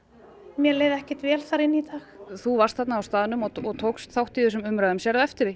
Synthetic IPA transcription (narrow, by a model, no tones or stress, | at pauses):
mjɛleːjðɛhcɪ̥t̪vɛːlθaɾɪnːit̪ʰaːxθuvarst̪θɛt̪naːwst̪aːðnʏmɔɔɣt̪ʰoːwkst̪θawht̪iðʏsɛmʏmɾaðʏmsjɛɾðaɛft̪ɪɾɪ